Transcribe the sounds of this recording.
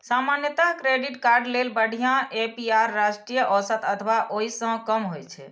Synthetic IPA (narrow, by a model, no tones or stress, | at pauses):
samanjət̪akɾeɖiʈkaɾɖlelbəɽ̤ʱijãepiaɾːasʈɾijəʔɔsət̪ət̪ʰbaʔoɦisə̃kəmɦojt͡ʃʰɛ̰